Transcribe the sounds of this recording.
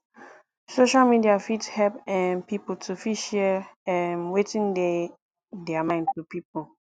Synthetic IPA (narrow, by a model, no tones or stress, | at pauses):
soʃalmidiafithɛpɛ̃npʰipl̩tʰufiʃɛɛnwetʰĩnde | dɛamãɪ̃ndtʰupʰip̚o